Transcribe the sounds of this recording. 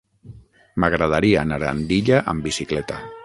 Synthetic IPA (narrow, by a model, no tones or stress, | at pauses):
maɣɾað̞aɾianaɾa̰nd̪iʎaʔambisiklɛt̪a